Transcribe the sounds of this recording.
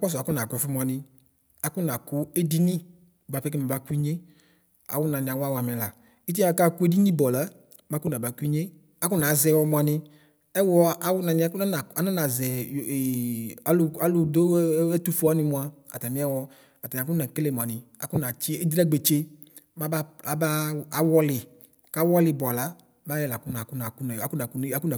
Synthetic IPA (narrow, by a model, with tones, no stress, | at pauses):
a˦k͡pɔ˦s̬ɔ˨a˨ku˦na˨kɔ˨fi˦m˨a˨nɪ̃˧ | a˨ku˦na˨ku˦e˦di˦nĩ˦˨ | ɡ͡ba˨pɛ˦ke˦ma˨ba˦ku˦i˦ɲe˦ | a̰˨wʊ˦nã˨nĩ˨a˨wa˦wa˨mɛ˨la̰˨ | i˦t̬i˦ma˨ka˦ku˦e˦di˦nĩ˦bɔ˨la˨˦ | ma˨˦ku˦nã˨ba˨˦ku˦i˦ɲe˦ | a˨kʊ˦nã˨˦zɛ˧˨wɔ˧mũ˨˧a˨nɪ̃˧ | ɛ˦wɔ˦a˦wʊ˦nã˨nĩ˧˦˨ku˦na˦na˨a˨˦nã˦nã˨zɛ˨ | a˦lʊ˨a˦lʊ˨do˦ɛ˦tu˦fu˦a˦nɪ˧mũ˨a˨ | a̰˨ta˨mĩ˦a˦wɔ˧˨ | ta˨ĩ˨k̬u˦a˨kle˨mʊ̃˨a˨nɪ˨ | a̰˨ku˦na˨t͡ʃi˦e˦d̪ɾa˦ɡ͡be˨t͡ʃe˦ | ma˦ba˦a˨ba˦a˨wɔ˦lɪ˨ | ka˦wɔ˦lɪ˨bɔ˨a˨la˦ | ma˦jɛ˨la˨kʊ˦na˨ku˦na˨ku˦n˨a˨˦ku˦na˨ku˦ne˦a˦ku˦na˨